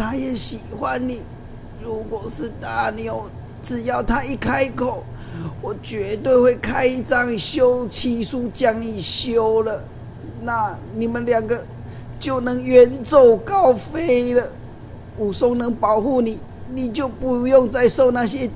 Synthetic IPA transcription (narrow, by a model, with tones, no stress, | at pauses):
t̪ʰa˦˥jɛ˨˩˦ɕi˨˩xwa˨nni˨˩˦ | ɻu˧˦kwɔ˨˩ʂɻ̩˥˧t̪a˥˩njo˨˦ʊ | t͡sɹɻ̩˨˩jɑ˥˩ʊt̪ʰa˦i˥˧kʰa˦ɪ˧kʰo˨˩ʊ | wɔ˨˩t͡ɕɥɛ˧˦t̪we˥˧ɪxwe˥˩ɪkʰa˦ɪi˧t͡sɑ˥˧˦ŋ˨ɕjo˦ʊt͡ɕʰi˧˥su˥t͡ɕja˥ŋni˨˩ɕjo˦ʊlə˨ | na˥˩ni˨˩mə˨nlja˨˩ŋɡə˨ | t͡ɕjo˥˩ʊnɤ˧˥ŋɥɛ˧˦nt͡so˥˩ʊkɑ˦ʊfe˦ɪlə˨ | u˨˩sʊ˥ŋnə˧˦ŋpɑ˨ʊxu˥˩ni˨˩ | ni˨˩t͡ɕjo˥˩ʊpu˧˥jo˥˧ŋt͡sa˥˧ɪso˥˧ʊna˥˨ɕjɛ˦